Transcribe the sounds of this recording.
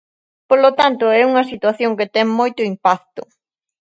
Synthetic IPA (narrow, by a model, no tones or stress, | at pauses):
polot̪ant̪ʊɛuŋɐsit̪waθjoŋkɪt̪ɛŋmojt̪ʊimpak̚t̪ʊ